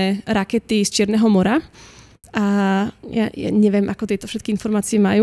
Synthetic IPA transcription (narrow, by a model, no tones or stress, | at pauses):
ɛɾakɛt̪ist͡ʃɪɛɾnɛːɦɔmɔɾa | ʔaja̰ja̰ɲɛʋɪɛmʔakɔt̪ɪɛt̪ɔfʃɛt̪kiinfɔɾmaːt͡siɛmaju